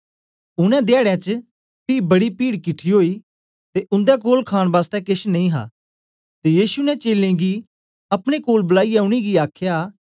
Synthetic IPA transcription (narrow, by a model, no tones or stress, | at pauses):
ʊɽ̃ɛ̃d̪aːɽjãt͡ʃ | piːbɐɽipiːɽkɪʈʰiɦoːi | t̪eʔʊ̃nd̪ɛkoːlkʰaːɽ̃ʋaːst̪ɛkɪʃnɐ̃ĩɦa̰ː | t̪ejiːsunɛt͡ʃeːlẽɡi | ɐpɽ̃ekoːlbɐlaːiaʊɽ̃iɡiaːkʰjaː